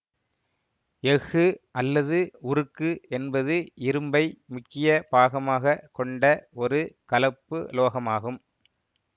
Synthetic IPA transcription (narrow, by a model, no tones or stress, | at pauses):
jɛɣɯʔɐlːɐðɯʊɾɯkːɯɛnbɐðɯʔɪɾɯmbɐɪmʊkːɪjɐbaːɣɐmaːɣɐkɔɳɖɐɔɾɯkɐlɐpːɯloːɣɐmaːɣɯm